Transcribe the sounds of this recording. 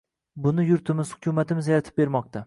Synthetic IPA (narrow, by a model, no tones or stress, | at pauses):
bʊnɪjʊɾt̪ʰɪmɪz̥hʊkʲʰʊmat̪ʰɪmɪzjaɾat̪ʰɪp̚be̞ɾmɒq̚t̪ʰa